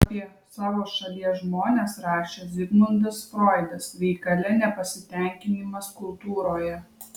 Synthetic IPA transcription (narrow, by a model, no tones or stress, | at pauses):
pʲiɛ | sɑːʋoːʃɐlʲiɛʒmoːnʲeːsɾɑːʃʲeːzʲɪɡnˠɐnʲd̪ɐsfɾoːɪd̪ɐsɾʲɛɪkɐlʲɛnʲɛpɐsʲɪt̪ʲɛˑŋʲkʲɪnʲimɐskʊlˠt̪uːɾoːjɛ